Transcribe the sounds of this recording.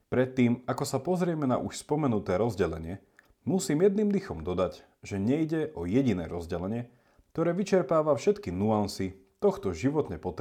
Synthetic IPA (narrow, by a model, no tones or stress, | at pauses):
pɾɛt̪ːiːmakɔsapɔzɾɪɛmɛna̰ʔuʃspɔmɛnut̪ɛːɾɔzɟɛlɛɲɪɛ | musiːmjɛd̪̚niːmd̪ixɔmd̪ɔd̪ac | ʒɛɲɛjɟɛʔɔjɛɟinɛ̰ːɾɔzɟɛlɛɲɪɛ | kt̪ɔɾɛːʋit͡ʃɛɾpaːʋafʃɛt̪kinuansit̪ɔxt̪ɔʒiʋɔt̪ɲɛpɔt̪